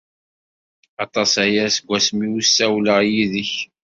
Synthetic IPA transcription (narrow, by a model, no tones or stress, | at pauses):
ɑt̪ˤɑsæjæsəɡʷːæsmiwusːæwləʁjiðəç